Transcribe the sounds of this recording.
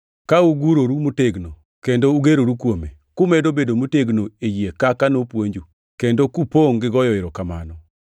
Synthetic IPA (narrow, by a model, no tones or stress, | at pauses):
kauɡuɾoɾumuteɡno | kendouɡeɾoɾukwome | kʊmedobedomuteɡnoejekakanopwoɲd͡ʒu | kendokupoŋɡɪɡɔjɔɪɾɔkama̰nɔ